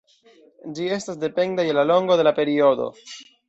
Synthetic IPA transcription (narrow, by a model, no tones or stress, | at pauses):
d͡ʒie̞stasde̞pe̞ndajelalo̞ŋɡo̞de̞lape̞ɾio̞d̪o̞̰